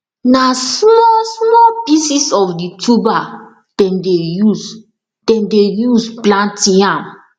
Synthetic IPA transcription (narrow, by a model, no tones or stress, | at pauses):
nasmɔsmɔpisisɔfditʰuba | d̥ɛ̃ndejus | d̥ɛ̃ndejusplãntĩãm